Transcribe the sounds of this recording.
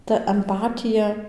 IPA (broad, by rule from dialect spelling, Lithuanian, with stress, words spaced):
tɐ ɐmˈpɑːtʲɪjɛ